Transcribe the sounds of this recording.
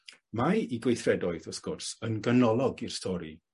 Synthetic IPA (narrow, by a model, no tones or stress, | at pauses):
majiɡwejθrɛdɔɨðəskʊrsənɡənɔlˠɔɡir̥stʰɔɾḭ